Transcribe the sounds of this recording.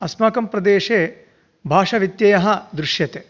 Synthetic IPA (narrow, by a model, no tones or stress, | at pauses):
ɐsmaːkɐmpɾɐd̪eːʂeː | bʱaːʂɐʋit̪jɐjɐɦɐ̆d̪ɾuʃjɐt̪e